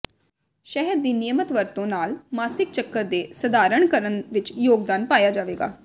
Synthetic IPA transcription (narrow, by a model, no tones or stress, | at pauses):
ʃɛɦəɾd̪iːnijəmət̪ʋəɾt̪õːnaːlmaːsɪk̚t͡ʃəkːəɾd̪eːsəd̪aːɾəɳ̃kəɾənʋɪt͡ʃjoːɡ̚d̪aːnpaːjaːd͡ʒaːʋeːɡa̰ː